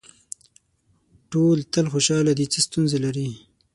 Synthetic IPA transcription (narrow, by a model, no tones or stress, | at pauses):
ʈolt̪əlxoʃɑlad̪it͡səst̪unzelaɾi